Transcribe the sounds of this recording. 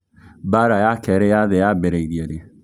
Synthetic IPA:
baɾajakʰɛɾɛjaðɛjabeɾɛidiɛde

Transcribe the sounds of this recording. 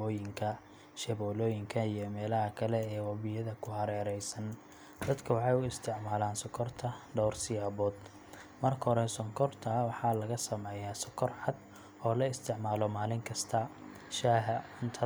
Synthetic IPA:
ɔːjɪŋkʰɐ | ʃɛβɔːlɔːjɪŋkʰɐijɔmɛːlɐɦɐkʰɐlɛɛːwɑβɪjɐðɐkʰʊhɐɾɛːɾɛjsɐn | d̪ɐd̪kʰɐwɑħɑjʊɪst̪ʰɪʕmaːlaːnsɔkʰɔrt̪ʰɐɖɔwrsɪjaːβɔːd̪ | mɐrkʰɐɦɔɾɛsɔŋkʰɔrt̪ʰɐwɑħɑːlɐɣɐsɐmɛːjaːsɔkʰːɔrħɑd̪ | ɔːlɐɪst̪ʰɪʕmaːlɔmaːlɪŋkʰɐst̪ʰɐ | ʃaːɦɐʊnt̪ʰɐ

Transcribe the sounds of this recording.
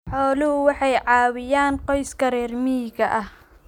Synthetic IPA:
ħɔːlʊhʊwɑħɑjʕɑːwɪjaːnqɔjskʰɐɾɛːrmiɣɐʔɐh

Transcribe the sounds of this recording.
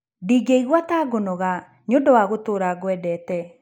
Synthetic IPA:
diɡeiɣwataːɡonɔɣa | ɲodɔwaɣotoːɾaɡoɛdɛːtɛ

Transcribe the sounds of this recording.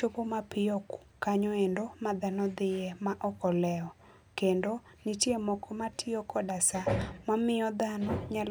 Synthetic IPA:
opomapɪoku̥kaɲɔendomad̪anɔd̪ɪjemaʔɔkɔlɛɔ | kendo | nitjemɔkɔmatʰɪokɔdasamamɪɔd̪anɔɲal

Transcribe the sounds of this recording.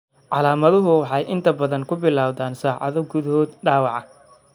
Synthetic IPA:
ʕɑlaːmɐðʊɦʊwɑħɑjʔɪnt̪ʰɐbɐðɐŋkʰʊbɪlaːwðaːnsaːʕɑ̰ðɔɡʊðɐɦɔːd̪ɖaːwɑʕɑ

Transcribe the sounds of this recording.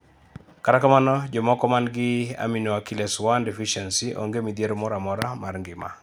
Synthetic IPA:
kaɾakamanɔd͡ʒɔmɔkɔmanɡɪa̰minoakilɛswandefiʃɛnsiʔo̰ŋɡemid̪jeɾomɔɾamɔɾamarŋɡɪma̰

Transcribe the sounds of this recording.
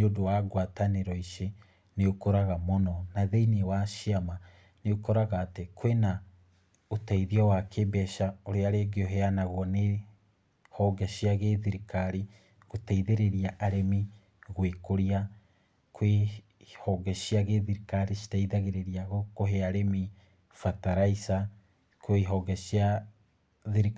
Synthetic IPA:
neodowaɡwataneɾɔiʃe | neokoɾaɣamonɔnaðeinewaʃiama | neokoɾaɣaːtekʰwena | otaiðiɔwakebɛʃaoɾeaɾeɡeoɦɛanaɣwɔne | hɔɡɛʃiaɣeðiɾikaɾi | ɣotaiðeɾeɾiaʔaɾemi | ɣwekoɾia | kwe | hɔɡɛʃiaɣeðiɾikaɾiʃi̥taiðaɣeɾeɾiaɣokoɦeaɾemi | fataɾaisa | kweɦɔɡɛʃia | ðiɾik

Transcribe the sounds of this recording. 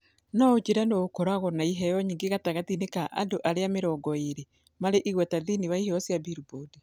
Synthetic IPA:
naod͡ʒeɾanoːkɔɾaɣɔnaiɦɛjɔɲiːŋɡeɣataɣatinekaʔa̰doʔaɾeameɾɔɡɔeɾe | maɾeʔiɣwɛtaðiniβaihɔsjabiɾubode

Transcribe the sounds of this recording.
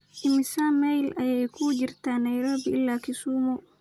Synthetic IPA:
ʔɪmɪsamɛjlɐjɛjkʰud͡ʒɪrt̪aːnɐjɾɔbɪɪlːaːkʰɪsuːmɔ

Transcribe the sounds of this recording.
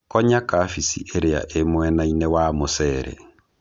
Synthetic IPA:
kɔɲakaːfisḭʔeɾea̰ʔemoɛnainɛwamosɛːɾɛ̰

